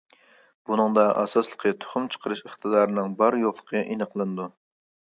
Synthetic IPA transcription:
b̥unɨŋd̪ɑʔɑ̰sɑslˠə̥qʰət̪ʰo̥χʊmt͡ʃʰə̥qʰəɾɨʃəχt̪ʰɨd̪ɑːɾɨnɨŋbɑɾjoχlˠə̥qʰəʔenəqʰlˠɨnɨd̪u

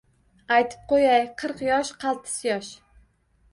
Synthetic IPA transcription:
ajt̪ʰɪ̥p̚qojajqʰɨɾqjɒʃqʰɑlˠt̪ʰɪ̥sjɒʃ

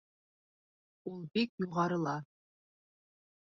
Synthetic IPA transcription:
ulˠbikjuʁɑɾɤ̆lˠɑ

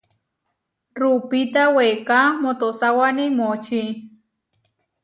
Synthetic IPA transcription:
rupit̪awekamot̪osawanimot͡ʃi

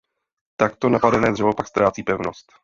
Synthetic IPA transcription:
t̪akt̪o̞napadɛnɛːd̪rɛvopakst̪ɾʔaːt͡siːpɛvno̞st̪

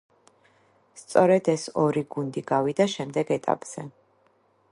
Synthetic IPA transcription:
st̪sʼɔɾɛd̪ɛsɔɾiɡund̪iɡavid̪aʃɛmd̪ɛɡɛt̪ʼa̰pʼz̥ɛ

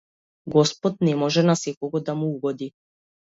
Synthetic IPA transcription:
ɡɔspɔt̪̚nɛmɔʒɛnasɛkɔɡɔd̪amuuɡɔd̪i

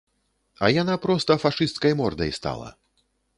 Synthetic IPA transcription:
ɐ̰janapɾɔst̪ɐfaʂɨst̪kɐjmɔrd̪ɐ̰jst̪a̰lˠɐ̰

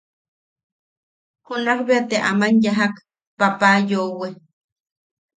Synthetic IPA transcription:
hunakbeat̪eʔamanjaɦak | papaːjowe

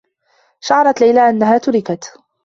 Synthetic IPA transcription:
ʃɑʕɑɾˤɑt̪lajlaːʔanːaɦaːt̪ʊɾɪkat̪

